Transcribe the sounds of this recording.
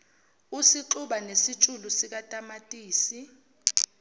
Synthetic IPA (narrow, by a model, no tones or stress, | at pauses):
usiǁuɓanesit͡ʃʼulusik̬atʼamatʼiːsi